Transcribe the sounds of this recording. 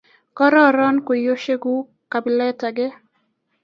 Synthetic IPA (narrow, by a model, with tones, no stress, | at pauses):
kɔ˦ɾɔ˦˨ɾɔ˦nko˨jo˦ʃe˦ɡu˦ | ka˨bi˨lɛ˦ta˨ɡɪ˦